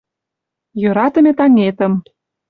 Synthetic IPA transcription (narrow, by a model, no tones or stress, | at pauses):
jøɾɑt̪ə̆mʲet̪ɑŋet̪ə̆m